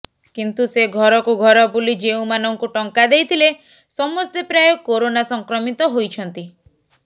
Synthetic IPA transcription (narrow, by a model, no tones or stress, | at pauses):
kint̪useɡʱɔɾɔkuɡʱɔɾɔbulid͡ʒeũmanɔŋkuʈɔŋkad̪ejt̪ʰile | sɔmɔst̪epɾajokoɾonasɔŋkɾɔmit̪ɔɦojt͡ʃʰɔnt̪i